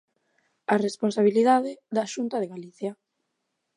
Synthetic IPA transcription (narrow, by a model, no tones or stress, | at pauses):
aresponsaβ̞iliðaðɪðaʃunt̪aðeɣaliθja